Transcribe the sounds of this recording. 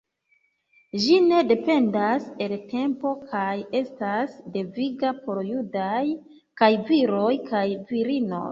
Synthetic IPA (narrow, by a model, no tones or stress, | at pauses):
ʒine̞de̞pe̞ndase̞lte̞mpo̞kʰaje̞stasde̞viɡapo̞ɾjudaj | kajviɾo̞jkʰajviɾino̞̰j